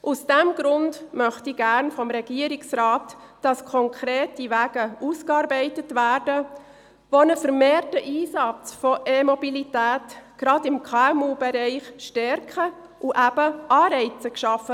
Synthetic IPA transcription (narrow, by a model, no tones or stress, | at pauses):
ʔusd̥æmɡɾʊndmœχtiɡ̥æɾnfɔmɾɛɡ̥iəɾiksɾɑːt | d̥ɑskʰɔŋkʰɾeːtiʋæːɡ̥əuskɑɾbɛɪtətʋæːɾdə | ʋonəfəɾmeːɾtəʔiːsɑt͡sfɔʔemɔbilitæːtɡ̥ɾɑdɪmkʰɑɛmuːbɛɾɛɪχʃtɛɾkχə | ʔuʔæb̥əʔɑːɾɛɪt͡səkʃɑfːə